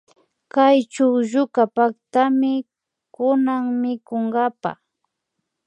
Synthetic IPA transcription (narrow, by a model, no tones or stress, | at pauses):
kajt͡ʃʊwʒʊkapakt̪amɪ | kʊnaŋmɪkoŋɡapa̰